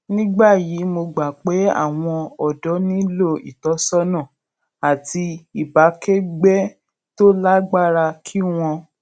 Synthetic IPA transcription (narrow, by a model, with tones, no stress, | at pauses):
nĩ˦ɡ͡ba˦˨ji˨˦mo˧ɡ͡ba˨k͡pe˨˦a̰˦˨w̃ɔ̃˧ɔ˨dɔ˨˦nĩ˦lo˦˨ḭ˨tɔ˨˦sɔ˦nã˦˨ | a˨ti˧i˨ba˨˦kɛ˦ɡ͡bɛ˦ | to˦la˦ɡ͡ba˦ɾa˧kʰi˦w̃ɔ̃˧